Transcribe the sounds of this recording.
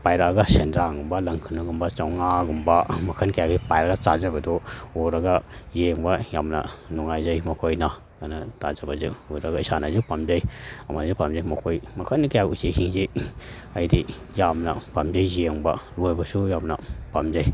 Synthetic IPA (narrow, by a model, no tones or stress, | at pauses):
pajɾaɡasendɾaŋɡumbalɐŋkʰɯnaɡumbat͡ʃawŋaɡumbamɐkʰɐnkajaɡipajɾaɡat͡ʃazabɐdɔɔɾɐɡazeŋbajamnɐ̰nuŋajzajmɐkʰojna | ɡanatazabazɯuɾaɡaisanazupamzajɐmazipamzajmɐkʰojmɐkʰankajakusehiŋze | ajdi | jamnɐpamzajzeŋba̰lojbɐsujamnɐpamzaj